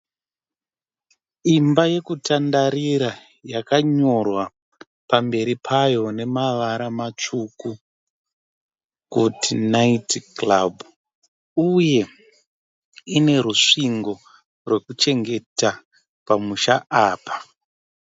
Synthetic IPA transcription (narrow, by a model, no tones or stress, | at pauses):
imbaje̞kutandaɾiɾa | jakaɲo̞rwa | pambe̞ɾipʰajo̞ne̞maʋaɾamat͡ʂuku | kutinaitklabu | uje̞ | ine̞ɾuʂiŋɡo̞ | rwe̞kut͡ʃe̞ŋɡe̞ta | pamuʃaʔaːpḁ